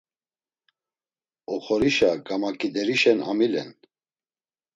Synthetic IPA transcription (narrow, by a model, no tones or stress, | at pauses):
ɔχɔɾiʃaɡamakʼid̪ɛɾiʃɛna̰milɛ̰n